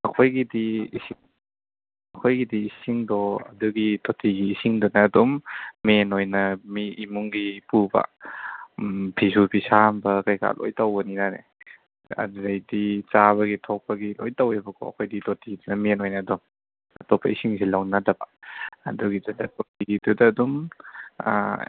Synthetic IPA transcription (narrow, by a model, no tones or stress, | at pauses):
ɐkʰojɡidiːsiŋ | ɐkʰojɡidiːsiŋdɔɐ̰duɡitʰotʰiɡiːsiŋdɔnɐːdɔmːenojnɐmiːmuŋɡipubɐ̰ | pʰisupʰisambɐkajka̰lʔo̰jtawbɐninanḛ | ɐ̰dɾɐjdit͡ʃaβɐɡitʰɔk̚pɐɡilo̰jtawebɐkʰɔ̰ɐ̰kʰojditʰotʰiɡidunɐmenojnɐːdɔm | ɐ̰tɔpʰːɐ̰isiŋsilawnadɐbɐɐ̰duɡidudɐtʰotiɡidudɐːdum̰